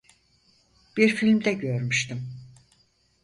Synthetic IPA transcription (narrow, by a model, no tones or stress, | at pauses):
b̥iɾfilʲmd̪ɛɟøɾmyʃt̪ʰim